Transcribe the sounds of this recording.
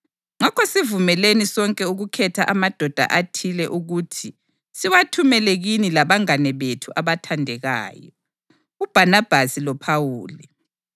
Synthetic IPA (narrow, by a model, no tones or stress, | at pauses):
ŋakʰɔsivumɛlenisɔŋkʼɛuɣukʰɛtʰaʔamad̥ʱɔd̥ʱa̰ʔatʰilɛʔuɣutʰi | siwatʰumɛlɛɣinilaβaŋanɛβetʰuʔaβatʰandʱɛɣa̰ːjɔ̰ | ub̥ʱanab̥ʱasilɔpʰawuːli